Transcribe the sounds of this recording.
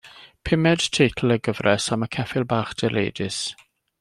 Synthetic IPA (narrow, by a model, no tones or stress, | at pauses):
pʰɪmɛd̥tʰejtʰl̩ˠəɡəvrɛsaməkʰɛfɪlˠbaːχd̥ɛlḛːdɪs